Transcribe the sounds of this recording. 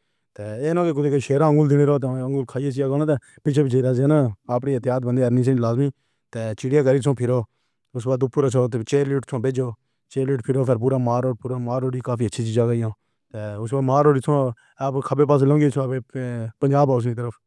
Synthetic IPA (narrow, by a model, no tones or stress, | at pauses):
t̪eːeːnõːkek̬ʊt̪eːkəʃeːɾãːəŋɡʊld̪ɪñeːɾoːt̪ẽəŋɡʊlkʰaːieːs̬ijaːɡoːnãːt̪eː | pɪt͡ʃʰeːpɪt͡ʃʰeɾaːd͡ʒẽːnaːaːpɽiːət̪ɪjaːt̪̚bənd̪eːəɾniːs̬ẽlaːzmiː | t̪eːt͡ʃɪɽijãːkəɾiːtʰõːpʰɪɾoː | ʊsbaːd̪ʊpʰːʊɾət͡ʃʰoːt̪et͡ʃeːɾliːʈt̪ʰõːbeːd͡ʒoː | t͡ʃeːɾliːʈpʰɪɾoːpʰɪɾp̬uːɾaːmaːɾoːpuːɾaːmaːɾoːɖiːkaːpʰiːətːʃʰiːt͡ʃiːzaːkəijãː | t̪eːʊsbaːmaːɾoːɽiːt̪ʰõː | pkʰəbeːpaːs̬lõːŋɡeːt͡ʃʰopeːpəɲd͡ʒaːbaːʊs̬nĩːt̪əɾəpʰ